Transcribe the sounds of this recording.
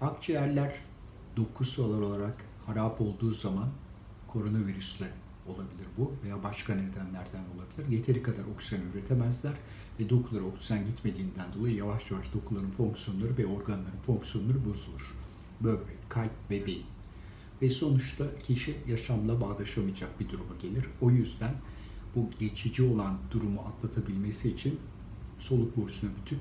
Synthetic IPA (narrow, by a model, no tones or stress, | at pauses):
akt͡ʃʰajæɾlʲæɾ | d̪̥o̞kʰusualˠaɾo̞lˠaɾak | haɾaːpo̞lˠd̪uːzaman | kʰo̞ɾo̞naviɾyslʲɛ | o̞lˠabilʲiɾbuvejaːbaʃkaned̪ænlʲæɾd̪æno̞lˠabilʲiɾje̞t̪ʰe̞ɾikʰad̪aɾo̞ky̥zanyɾe̞t̪ʰemæzlʲæɾ | vɛd̪o̞kʰulˠaɾɯo̞ky̥zanɟit̪me̞d̪iːnd̪ænd̪o̞lˠajɯjavaʃjavaʃd̪o̞kʰulˠaɾɯnfo̞ŋksjo̞nlˠaɾɯvɛo̞ɾɡanlˠaɾɯnfo̞ŋksijo̞nlˠaɾɯbo̞zulˠuɾ̥ | bø̞jlʲɛkʰalʲp̚vɛbeji | vɛso̞nut͡ʃt̪ʰacʰiʃijaʃamlˠabaːd̪ˠaʃamɯjad͡ʒak̚bid̪uɾumaɟe̞lʲiɾ̥o̞jyzd̪æn | buɟe̞t͡ʃʰid͡ʒio̞lˠand̪uɾumuat̪lˠat̪ʰabilʲme̞siːt͡ʃʰin | so̞lˠuk̚boɾsunabyt̪ʰyn